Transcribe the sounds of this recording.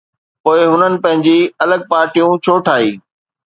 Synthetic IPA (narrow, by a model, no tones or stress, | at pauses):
poːɪɦʊnənɪ̆pɐ̃ɦɪ̃ɲd͡ʑiɐləɡ̚paːɾʈijũt͡ɕʰoːʈʰaːiː